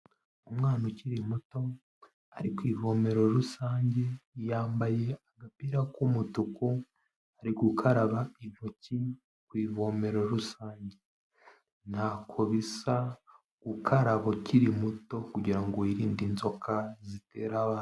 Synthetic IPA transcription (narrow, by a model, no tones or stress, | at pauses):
umŋaːnociɾimuto̞ | aɾikwiːvo̞me̞ɾo̞ɾusaːɲɟe̞jaːmbaje̞aɡapiːɾakumutuku | aɾiɡukʰaɾaβain̥oci | kwiːvo̞me̞ɾo̞ɾusaːɲɟe | n̥hakʰoβisa | ɡ̥ukʰaɾaβociɾimuto̞kuɟiɾaŋɡoiɾiːndinzo̞kʰazite̞ːɾaβaːn